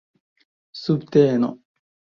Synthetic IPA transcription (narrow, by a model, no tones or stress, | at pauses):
sɨbt̪eːno